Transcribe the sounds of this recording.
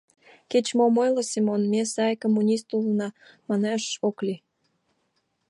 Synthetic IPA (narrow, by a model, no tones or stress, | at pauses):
ket͡ɕmomojlosimonmesɑjkomːunʲist̪ulənɑ | mɑneʃokli